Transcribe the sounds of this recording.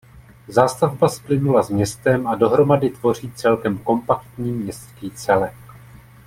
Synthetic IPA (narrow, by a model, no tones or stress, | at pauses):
zaːst̪avbasplɪnulazmɲɛst̪ɛmʔado̞ɦɾo̞madɪt̪vo̞r̝iːt͡sɛlkɛmko̞mpakt̪ɲiːmɲɛst̪kiːt͡sɛlɛk